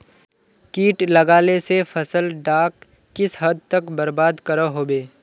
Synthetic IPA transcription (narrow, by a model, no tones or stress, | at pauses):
kiːʈlɐɡaːlesefʰɐsəlɖaːkː | ɪsɦɐd̪̚ʱt̪əkbɐɾbaːd̪kɐɾaɦoːbeː